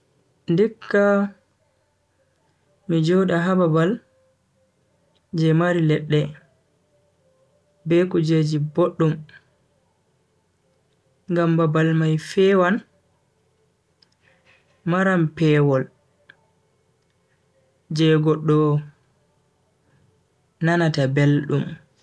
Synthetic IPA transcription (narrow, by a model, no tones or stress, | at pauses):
ndikːa | mid͡ʒɔɗaɦababal | d͡ʒɛmaɾilɛɗːɛ | bɛkud͡ʒed͡ʒiboɗːum | ŋɡambabalmajfɛwan | maɾampɛːwɔl | d͡ʒɛɡɔɗːɔ | nanatabelɗum